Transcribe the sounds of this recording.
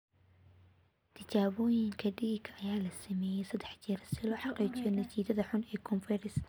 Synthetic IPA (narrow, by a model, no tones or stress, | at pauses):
t̪ʰɐt͡ʃaːβɔːjɪŋkʰɐɖiːɡʰɐʔɐjaːlɐsɐmɛːjɛjsɐd̪ːɛħt͡ʃɪrsɪlɔːħɑqiːt͡ʃɪjɔnɐt͡ʃiːd̪ɐðɐħʊnɛːkʰɔnfɛɾɪs